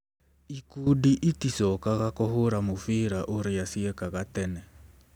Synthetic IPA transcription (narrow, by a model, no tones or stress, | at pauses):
ikudiʔitisɔkaɣakɔhʊɾamufiɾaʔuɾijasiɛkaɣatɛnɛ